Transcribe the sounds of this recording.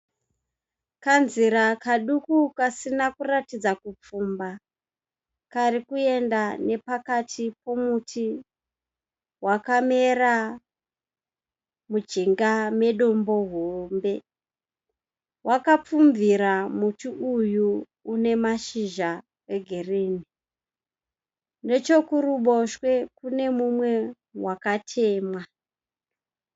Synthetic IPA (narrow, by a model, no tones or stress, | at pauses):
kanziɾakaɗukukasinakuratid͡zakup͡fumba | kaɾikue̞ndane̞pakatʰipo̞mutʰi | wakame̞ra | mud͡ʒiŋɡame̞ɗo̞mbo̞ɦombe̞ | wʔakap͡fumviɾamutiujuː | ne̞maʃiʒa | eɡʱereːni | ne̞t͡ʃo̞kuɾuɓo̞ʃwe̞kune̞mumwe̞ | wakatʰe̞ːmwa